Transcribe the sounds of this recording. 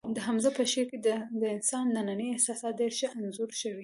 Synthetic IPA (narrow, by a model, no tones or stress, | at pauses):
d̪əɦamzapəʃeɾked̪d̪əɪnsɑnːananəjɪhsɑsɑt̪̚d̪eɾʃaʔanzuɾʃəwi